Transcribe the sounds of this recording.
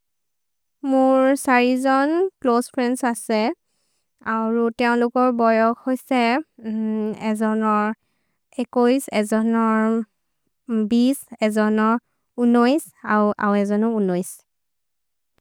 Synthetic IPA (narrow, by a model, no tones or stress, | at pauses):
mʊɹsaɹizɔnklospʰɹɛnsasɛ | aɹutɛʊ̃lʊkɔɹbɔjɔkhojsɛ | ɛzɔnɔɹ | ɛkojsɛzɔnɔɹ | bisɛzɔnɔɹ | unojs | aʔa̰wɛzɔnɔunojs